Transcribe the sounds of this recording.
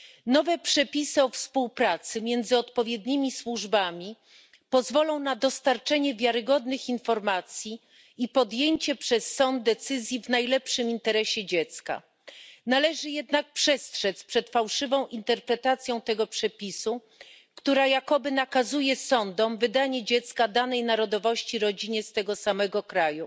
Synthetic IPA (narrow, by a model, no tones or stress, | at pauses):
nɔvɛpʂɛpʲisɘɔfspuwpɾat̪sɘmʲjɛnd̪zɘɔt̪pɔvʲjɛd̪ɲimʲiswuʐbamʲi | pɔzvɔlɔ̃w̃nad̪ɔst̪aɾt͡ʂɛɲɛvʲjaɾɘɡɔd̪nɘxinfɔɾmat̪sʲji | ipɔd̪jeɲt͡ɕɛpʂɛsːɔnd̪̚dːɛt̪sɘzʲjivnajlɛpʂɘmint̪ɛɾɛɕɛd͡ʑɛt̪ska̰ | nalɛʐɘjɛd̪nak̚pʂɛstʂɛspʂɛt̪fawʂɘvɔ̃w̃ʔint̪ɛɾpɾɛt̪at̪sʲjɔ̃w̃t̪ɛɡɔpʂɛpʲisu | kt̪uɾajakɔbɘnakazujɛsɔnd̪ɔmvɘd̪aɲɛd͡ʑɛt̪skad̪anɛjnaɾɔd̪ɔvɔɕt͡ɕiɾɔd͡ʑiɲɛst̪ɛɡɔsamɛɡɔkɾaju